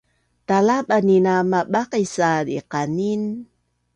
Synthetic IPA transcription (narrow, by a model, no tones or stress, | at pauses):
talaɓaninamaɓaqisadiqanin